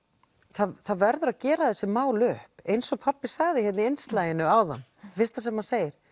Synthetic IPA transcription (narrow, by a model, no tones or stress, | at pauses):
θaθaðvɛɾðʏɾaðcɛːɾaθɛsːɪmaːwlœhpejnsɔɣpʰapːɪ̥saɣðɪhɛt̪nɪejnst̪laːjɪnʏawða̰n | fɪr̥st̪as̬ɛmhanseːjɪɾ̥